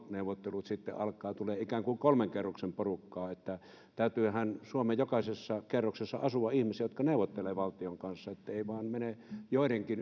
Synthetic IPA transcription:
neˑuʋˑot̪ːelut̪sit̪ːḛʔɑlkˑɑːt̪uleːikæːŋkuŋkolmeŋkerːoksemporukːɑːet̪ːæ | t̪æˑyt̪yːhænsuomejokɑˑsesːɑkerːoksesːɑ̰ɑsuʋɑihmisiæjot̪̚kɑneˑuʋˑot̪ːeleːʋɑlt̪ioŋkɑnsːɑet̪ːæeˑiʋɑˑːnmenejoˑideŋkin

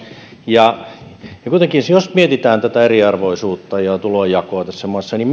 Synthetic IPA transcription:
jɑ | jɑkuit̪eŋkinsjosmiet̪it̪æːnt̪æt̪æeriɑrʋoisuːt̪ːɑjɑt̪ulojɑkoɑt̪æsːæmɑˑsːɑnim

